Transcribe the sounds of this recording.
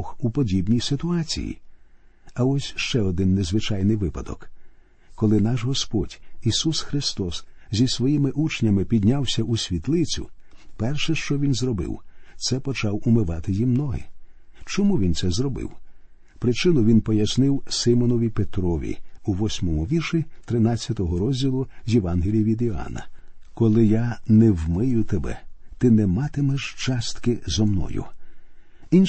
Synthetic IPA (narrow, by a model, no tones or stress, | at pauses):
xupɔdʲibnʲijsɪt̪ʊɑt͡sʲḭjḭ | ɐɔsʲʃt͡ʃɛɔd̪ɪnːezʋɪt͡ʃajnɪjʋɪpɐd̪ɔ̰k | kːɔlˠɪnɑʒɦɔspɔdʲisusxɾɪst̪ɔs | zʲisʋɔjimɪʔut͡ʃnʲɐmɪpʲid̪ʲnʲawsʲɐʔusʲʋʲit̪lˠɪt͡sʲʊ̰ | pɛrʃɛʃt͡ʃɔʋʲinzrɔbɪ̰wt̪sɛpɔt͡ʃɑwʊmɪʋɑt̪ɪjimnɔɦɪ̰t͡ʃɔmuʋʲint̪sɛzɾɔbɪ̰w | pɾɪt͡ʃɪnɔʋʲinpɔjɐsnɪwsɪmɔnɔʋʲipet̪ɾɔʋʲḭuʋɔsʲmɔmʊʋʲirʃʲit̪ɾɪnɑt͡sʲːɐt̪ɔɦɔɾɔzʲdʲilˠʊzʲjeʋɑnɦelʲijʋʲid̪iɑ̰nɐ̰kɔlˠɪjanɛwmɪjʊt̪ebɛ̰t̪ɪnɛmɑt̪ɪmɛʒt͡ʃɑst̪kɪzɔmnɔ̰jʊ̰ | in